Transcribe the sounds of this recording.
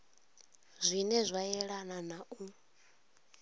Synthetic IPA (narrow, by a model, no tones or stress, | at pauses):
zʷinɛzʷajɛɺananaʔu